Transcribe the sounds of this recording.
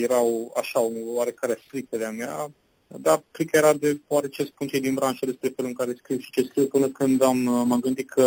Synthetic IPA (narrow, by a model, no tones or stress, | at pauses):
jeɾawa̰ʃaonevəaɾe̞kaɾeast̪ɾikəleamea | d̪akɾikəjeɾad̪epoaɾet͡ʃespunt͡ʃ̪ed̪inbɾanʃəd̪e̞spɾe̞felɨŋkaɾeskɾiwʃi̥t͡ʃeskɾiwpɨnəkɨnd̪amːəɡɨnd̪it̪̚kʰə